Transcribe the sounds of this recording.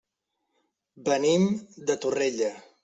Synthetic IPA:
bənimd̪ət̪ureʎə

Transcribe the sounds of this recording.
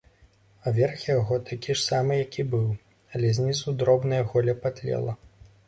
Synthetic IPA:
avʲɛrxjaɣɔt̪ʰakʲiʂsamɨjakʲibɨw | ɐlʲɛzʲnʲisud̪ɾɔbnɐjɐɣɔlʲɐpat̪ʲlʲɛ̰lˠɐ

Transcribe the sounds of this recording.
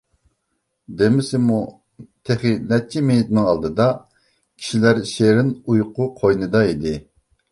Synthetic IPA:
d̪emɪsɪmu | t̪ʰeχɪnɛt̪̚t͡ʃʰimenɪt̪ɪnɪŋɑlˠd̪ɨd̪ɑ | kʲʰi̥ʃilæɾʃeɾɪnujqʊqʰojnɨd̪ɑid̪ɪ

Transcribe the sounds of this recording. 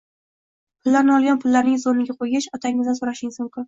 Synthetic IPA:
pʰʊlˠːaɾnɪɒlˠɡʲanpʰʊlːaɾnɪŋzonɪɡʲaqʰojɡʲaʃɒt̪ʰaŋɪznsoɾaʃɪŋsɒŋqʰʊ

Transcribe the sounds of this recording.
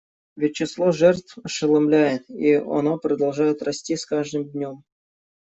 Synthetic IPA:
vʲɪt̚ʲt͡ɕːɪslˠoʐɛrt̪fʂɨlˠamlʲæjɪt̪iɐ̰nopɾəd̪ɐlˠʐajɪt̪rɐsʲtʲisʲkaʐd̪ɨmd̪ʲnʲom

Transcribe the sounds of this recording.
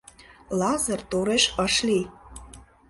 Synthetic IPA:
lɑzə̆rt̪oɾeʃəʃli

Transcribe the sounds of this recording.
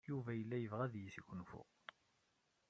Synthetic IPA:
juvæjəlːæjəvʁæðjiθiɡʷnfʊ̰ʁ

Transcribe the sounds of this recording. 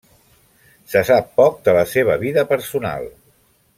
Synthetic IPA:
səsapːɔk̚d̪ələseβ̞əβiðəpəɾsuna̰lˠ

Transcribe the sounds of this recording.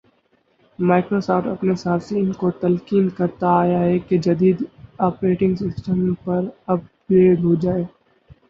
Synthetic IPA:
maːɪkɾoːsaːfʈɐpnesaːsiɪnkot̪ɐlkiːnkɐɾt̪aːjaɦɛked͡ʒɐd̪iːd̪aːpɾeːʈɪ̃ŋɡsɪsʈəmpɐɾɐp̚ɡɾeːɖɦod͡ʒaːeː

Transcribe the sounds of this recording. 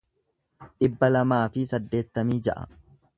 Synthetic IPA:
ᶑɪbːɐlɐmaːfɪsɐd̪ːe̞ːt̪ːɐmiːd͡ʒɐʔɐ̰

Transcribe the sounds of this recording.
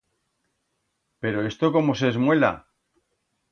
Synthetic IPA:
pe̞ɾo̞e̞st̪o̞ko̞mo̞sezmwe̞la̰

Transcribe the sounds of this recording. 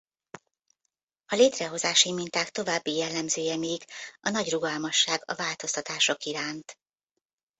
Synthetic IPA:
ɒleːt̪rɛɦo̞zaːʃimint̪aːkt̪o̞vaːbːijɛlːɛmzøːjɛmeːjikɒnɒɟruɡɒlmɒʃːaːɡɒ̰vaːlt̪o̞st̪ɒt̪aːʃo̞kiɾaːnt̪

